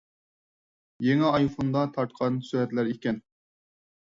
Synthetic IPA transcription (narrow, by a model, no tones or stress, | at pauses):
jeŋɛɑjfond̪ɑt̪ʰɑɾt̪qʰɑnsyɾɛt̪læɾekʲɛn